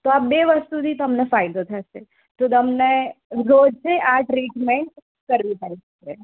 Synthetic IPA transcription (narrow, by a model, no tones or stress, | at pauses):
t̪oaːp̚beʋəst̪ut̪ʰit̪əmnefaːjd̪ot̪ʰase | t̪ot̪əmneɾoːd͡ʒseʔaːʈɾiːʈmeɳʈ | kəɾʋip̪ɛ̃nsɐkɾe